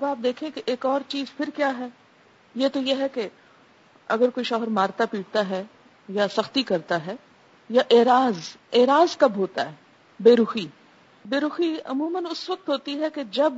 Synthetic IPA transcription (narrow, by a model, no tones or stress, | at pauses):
ɐbaːp̚d̪eːkʰẽkeʔeːkɔːɾt͡ʃiːzpʰɪɾkjaːɦɛː | jeːt̪ojeɦɛke | ɐɡəɾkoːiʃɔːɦəɾmaːɾt̪apiːʈt̪aɦɛː | jasɐxt̪ikɐɾt̪aɦɛː | jaʔeːɾaːzeːɾaːzkɐbɦoːt̪aɦɛː | beːɾuxi | beːɾuːxiɐ̰muːmənʊsʋɐk̚t̪ɦoːt̪iɦɛked͡ʒɐb